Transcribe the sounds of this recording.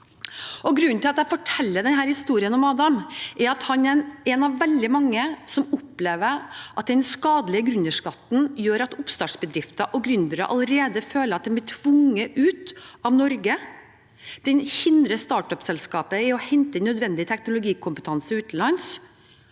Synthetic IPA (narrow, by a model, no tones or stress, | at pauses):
ɔɡɾʉnːnt̪ʰɪlɑt̪æɪfɔʈʰɛlːəd̪ɛnɦæːɾhɪst̪uːɾɪənɔmɑːd̪ɑmʔɛɾɑt̪hɑnɛɛnɑʋːɛld̪ɪmɑŋːəsɔmʊpleːʋəʔɑt̪̚d̪ɛnskɑːd̪əlɪəɡɾʉnəʂkɑt̪ːn̩jøːɾɑt̪ʊpst̪ɑːʈʂbəd̪ɾɪft̪əʔɔɡɾʉnd̪əɾə̰ʔɑ̰ləɾeːd̪əføːləɾɑt̪̚d̪ɛmb̪ɪʈʰʋʊŋːəʔʉːt̪ɑʋnɔɾɡə | d̪̥ɛnhɪnd̪ɾəst̪ɑːʈœpsɛlskɑːpəɪɔhɛnt̪ənːœd̪ʋɛnd̪ɪt̪ʰɛknʊlʊɡiːkʰʊmpət̪ʰɑnsɪʉːt̪n̩lɑns